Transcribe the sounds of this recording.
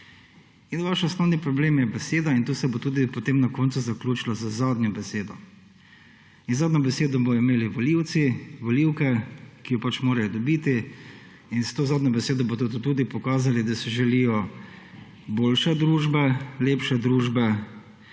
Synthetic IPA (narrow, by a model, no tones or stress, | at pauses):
inʋaʃɔsnɔwnipɾɔbleːmjɛbɛseːd̪aint̪uːsɛbot̪uːd̪ipɔt̪eːmnakoːnt̪suzaklʲuːt͡ʃilazəzaːd̪nʲɔbɛseːd̪ɔ | inzaːd̪nɲɔbɛseːd̪ɔbɔimeːliʋɔliwt̪siʋɔliwkɛkijɔpat͡ʃmoːɾajɔd̪ɔbiːt̪i | inst̪oːzaːd̪ɲɔbɛseːd̪ɔbod̪od̪t̪uːd̪ipɔkaːzalid̪asɛʒɛlijɔ | boːlʃɛd̪ɾuːʒbɛleːpʃɛd̪ɾuːʒbɛ